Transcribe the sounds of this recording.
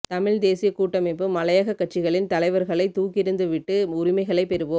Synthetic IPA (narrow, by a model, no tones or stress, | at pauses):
t̪ɐmɪɻd̪eːsɪjɐkuːʈːɐmɪpːɯmːɐlɐjɐɣɐkːɐʈ̚t͡ʃɪɣɐɭɪnt̪ɐlɐɪʋɐɾɣɐɭɐɪt̪uːkɪɾɯnd̪ɯʋɪʈːɯʊɾɪmɐɪɣɐɭɐɪpɛɾɯʋoː